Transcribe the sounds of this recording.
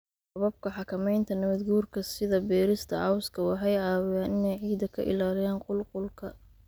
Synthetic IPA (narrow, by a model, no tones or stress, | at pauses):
sɐβɐb̚kʰɐħɑkʰɐmɛjnt̪ʰɐnɐβɐd̪ɡuːrkʰɐsɪðɐbɛːɾɪst̪ʰɐ̰ʕɑwskʰɐwɑħɑjʕɑːwɪjaːnɪnɛjʕiːd̪ɐkʰɐ̰ʔɪ̰laːlɪjaːnqʊlqʊlkʰɐ